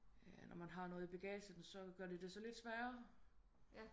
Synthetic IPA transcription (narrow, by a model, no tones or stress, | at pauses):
ænɒmænɦɑ̈nɔ̽ːð̞̩ˠib̥e̝ɡ̥ɛːsəd̥n̩sɒ̽ɡ̥ɶɐ̰d̥id̥e̝sɒ̽le̝d̥sʋæːɐ